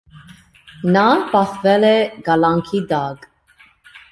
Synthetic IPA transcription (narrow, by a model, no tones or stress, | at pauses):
nɑpɑχvɛlɛɡɑlɑŋkʰid̪ɑkʼ